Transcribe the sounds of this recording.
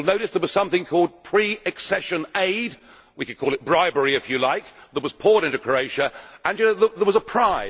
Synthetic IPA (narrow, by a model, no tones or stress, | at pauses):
lˠnoʊɾɨsðəwʌz̥sʌ̃mθɪ̃ŋkʰɔlˠd̚pʰɹ̥iɨksɛʃɨ̃neɪd | wikɨd̚kʰɔlˠɨt̚b̥ɹaɪbəɹiɨfjɨlaɪk̚ðət̚wʌz̥pʰɔɹɾɪ̃ntʉkʰɹ̥əʊeɪʃɨʔə̃njɨnoʊðəðə˞wʌzəpʰɹ̥aɪ